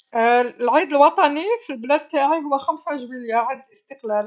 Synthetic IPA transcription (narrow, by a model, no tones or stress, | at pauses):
lʕid̪əlwɑt̪ˤɑnifilblæd̪̚t̪ːaʕiɦʊwːæxæmsæʒbiljaʕid̪əlʔəst̪əqlæl